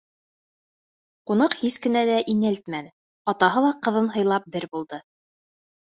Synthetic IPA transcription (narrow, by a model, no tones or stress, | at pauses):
qunɑqhiskɘ̆nælæʔinælt̪mænɘ | ɑt̪ɑɦɤlˠɑqɤ̆ðɤnɦɤ̆jlˠɑp̚bɘɾbulˠd̪ɤ